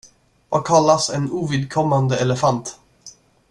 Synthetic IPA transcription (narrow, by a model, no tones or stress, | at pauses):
vakʰalːasɛnuːvɪd̪̚kʰɔmːand̪əɛləfant̪